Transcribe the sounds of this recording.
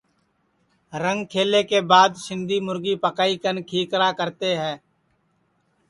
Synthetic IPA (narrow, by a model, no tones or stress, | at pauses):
ɾə̃ŋɡkʰeːleːkeːbaːd̪ʃɪ̃nd̪iːmʊɾɡiːpəkaːikənkʰiːkɾaːkəɾt̪eːɦɛ̃ː